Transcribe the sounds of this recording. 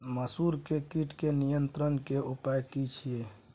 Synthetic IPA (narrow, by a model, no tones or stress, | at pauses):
məsuɾkekiʈkenijənt̪ɾənkeupajkit͡ʃʰie